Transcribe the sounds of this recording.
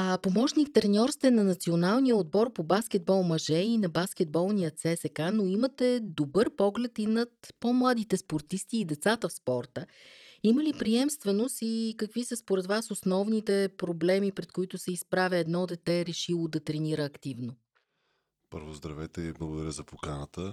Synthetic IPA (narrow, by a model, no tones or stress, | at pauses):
apomɔʃnikt̪ɾɛnʲɔɾst̪ɛnɐnɐt̪sionalˠnijəod̪̚bɔɾpobaskɛd̪̚bɔlˠmɐʒɛinɐbaskʲɛd̪̚bɔlˠnijət̪sɛsɛkanoimət̪ɛd̪obɤɾpɔɡlɛt̪inɐt̪pomlˠad̪it̪ɛspoɾt̪ist̪iːd̪ɛt̪sat̪əfspɔɾt̪əiməlipɾiɛmst̪vɛnost̪ikəkvisəspoɾɛt̪vasosnɔvnit̪ɛpɾoblɛmipɾɛt̪koit̪ʊsɛispɾavʲjəɛd̪nɔd̪ɛt̪ɛɾɛʃilˠod̪ɐt̪ɾɛniɾəːkt̪ivno | pɤ̰ɾvozd̪ɾɐvɛt̪ɛblˠɐɡod̪ɐɾʲəzɐpokanət̪ə